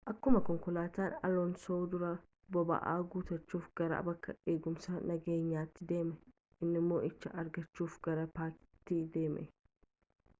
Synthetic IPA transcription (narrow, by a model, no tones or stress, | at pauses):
ʔɐkːʊmɐkɔŋkʊlaːt̪aːnɐ̰lɔnsoːd̪ʊɾɐ | bɔbɐ̰ʔa̰ːɡuːt̪ɐt͡ʃːuːfɡ̥ɐɾa̰bɐkːɐeːɡʊmsɐnɐɡe̞ːɲːaːt̪ːɪd̪e̞ːmɛ | ʔɪnːɪmːo̞ːʔɪt͡ʃːɐʔɐɾɡɐt͡ʃːuːfɡɐɾɐpaːkt̪iːd̪e̞ːmʔɛ̰